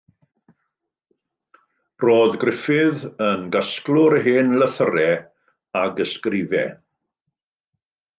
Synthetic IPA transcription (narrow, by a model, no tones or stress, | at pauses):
roːðɡrɪfɪðənɡasklˠʊɾəɦeːnləθəɾɛ | aɡəskrɪvɛ̰